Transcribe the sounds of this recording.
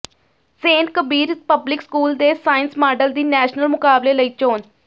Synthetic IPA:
seːnkəbiːɾpəblɪkskuːld̪eːsaːɪnsmaːɖəld̪iːnɛːʃnəlmʊkaːbleːləiːt͡ʃoːn

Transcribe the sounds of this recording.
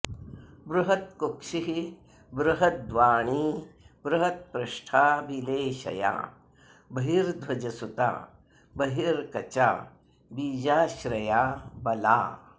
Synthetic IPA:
bɾuɦɐt̪̚kokʂiɦi | bɾuɦɐt̪̚d̪ʋaːɳ̃iːbɾɐɦɐt̪̚pɾɐʃʈʰaːbileːʃɐ̰ja̰ː | bɐɦiɾd̪ʱwɐd͡ʒɐsut̪a̰ː | bɐɦiɾkɐt͡ʃa̰ː | biːd͡ʒaːʃɾɐjaːbɐla̰ː

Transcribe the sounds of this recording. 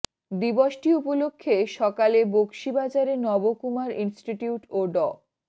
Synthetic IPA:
d̪iboʃʈiupolokʰːeʃɔkalebokʃibad͡ʑaɾenɔbokumaɾinsʈiʈiuʈoɖɔ

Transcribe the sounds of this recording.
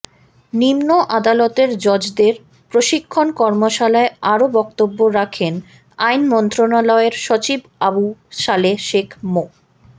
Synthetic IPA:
nimnoʔad̪alɔt̪eɾd͡ʑɔd͡ʑd̪eɾ | pɾoʃikʰːonkɔɾmoʃalaeaɾobɔkt̪obːoɾakʰen | ajnmɔnt̪ɾonalɔeɾʃot͡ɕib | abuʃaleʃekʰmo

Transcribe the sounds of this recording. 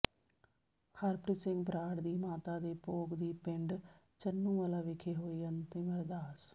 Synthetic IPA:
həɾpɾɪsɪŋɡ̚bɾaːɽd̪iːmaːt̪aːd̪eːpoːɡd̪iːpɪɳɖ | t͡ʃənːũːʋaːlaːʋɪkʰeːɦoːiːənt̪ẽːməɾd̪aːs

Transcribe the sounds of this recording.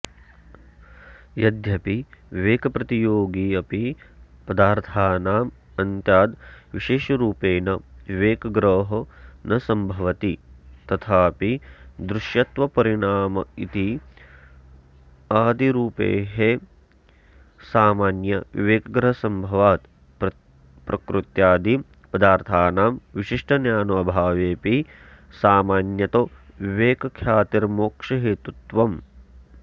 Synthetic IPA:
jɐd̪jɐpiʋiʋeːkɐpɾɐt̪ijoːɡiɐpipɐd̪aːɾt̪ʰaːnaːm | ɐnt̪jaːd̪ʋiʃeːʃɐɾuːpeːnɐʋiʋeːkɐɡɾoːɦɐnɐsɐmbʱɐʋɐt̪it̪ɐt̪ʰaːpid̪ɾuʃjɐt̪ʋɐpɐɾiɳaːmɐit̪i | aːd̪iɾuːpḛːɦe | saːmaːnjɐḭʋeːkɐɡɾɐɦɐsɐmbʱɐʋaːt̪ | pɾɐkɾut̪jaːd̪i | pɐd̪aːɾt̪ʰaːnaːmʋiʃiʂʈɐnjaːnuɐbʱaːʋeːpi | saːmaːnjɐt̪oʋiʋeːkɐkʰjaːt̪iɾmoːkʂɐɦeːt̪ut̪ʋɐm

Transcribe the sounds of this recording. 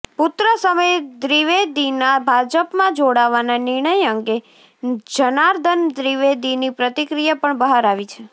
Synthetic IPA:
pʊt̪ɾəsəməjed̪ɾiʋed̪inabʱad͡ʒəpmãd͡ʒoɽaʋananɪɾɳ̃əjəŋɡe | d͡ʒənaɾd̪ʱənd̪ɾiʋed̪inipɾət̪ikɾijapəɳbəɦaɾaʋit͡ʃʰe

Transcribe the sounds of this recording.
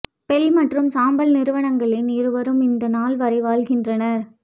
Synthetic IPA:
pɛlmɐʈrɯmsaːmbɐlnɪɾɯʋɐɳɐŋɡɐɭɪnɪɾɯʋɐɾɯmɪnd̪ɐnaːlʋɐɾɐɪʋaːɭɣɪndrɐnɐɾ

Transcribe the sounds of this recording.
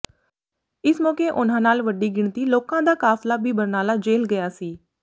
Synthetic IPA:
ɪsmɔːkeːʔʊn̤ãːnaːlʋəɖiːɡɪɳt̪iːloːkãːd̪aːkaːflaːbʱiːbəɾnaːlaːd͡ʒeːlɡəjaːsiː

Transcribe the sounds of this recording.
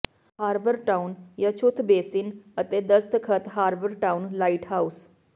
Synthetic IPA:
haːɾbəɾʈaːunjaːt͡ʃʰʊt̪ʰbeːsɪnət̪eːd̪əst̪kʰət̪ɦaːɾbəɾʈaːunlaːiʈɦaːus

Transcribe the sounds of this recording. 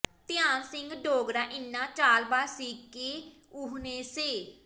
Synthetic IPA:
t̪ɪjaːnsɪ̃ŋɡɖoːɡɾaːʔɪnːãːt͡ʃaːlbaːsiːkːeː | ʊɦneːseː

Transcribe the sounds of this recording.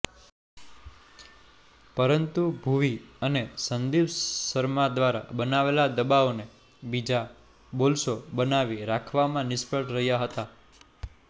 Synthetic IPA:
pəɾənt̪ubʱuʋiənesənd̪ibsəɾmad̪ʋaɾa̰bənaʋelad̪əbaone | bid͡ʒa | bolsobənaʋiɾakʰʋamãnɪspəʈɾəɦijaɦət̪a

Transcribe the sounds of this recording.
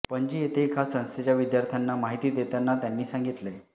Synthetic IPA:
pəɲd͡ʑiːjet̪ʰekʰasə̃w̃st̪et͡ɕjaʋid̪jaɾt̪ʰjanːamaɦit̪iːd̪et̪anːat̪janːiːsãŋɡit̪le

